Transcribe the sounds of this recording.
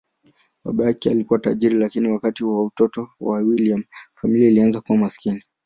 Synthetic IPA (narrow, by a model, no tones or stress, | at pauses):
ɓa̰ɓajakɛalikuwata̰ʄiɾilakiniwakatiwautɔtɔwawiliamfamiliailianzakuwamasi̥kini